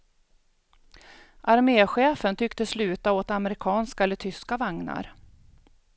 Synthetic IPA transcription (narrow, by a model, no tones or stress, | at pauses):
ʔaɾmeːɧeːfənt̪ʰʏkt̪əslʉ̟ːt̪aoːt̪aməɾɪkʰɑːnskaɛlːəʈ̪ʰʏskavaŋna̰ɾ